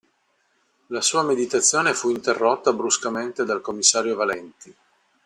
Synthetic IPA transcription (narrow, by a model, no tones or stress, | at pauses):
lasuːamed̪it̪at̪sːjoːnefuint̪erːot̪ːabɾuskament̪ed̪alkomːisːaːɾjovalɛnt̪i